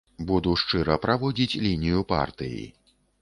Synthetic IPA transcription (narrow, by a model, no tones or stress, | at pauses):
bud̪uʂt͡ʂɨɾɐpɾavɔd͡zʲit͡sʲlʲinʲijupa̰rt̪ɨjḭ